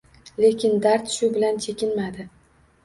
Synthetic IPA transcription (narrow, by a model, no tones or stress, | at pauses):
le̞kʲʰɪnd̪aɾt̪ʃʊbɪlant͡ʃʰe̞kʲɪnmad̪ɪ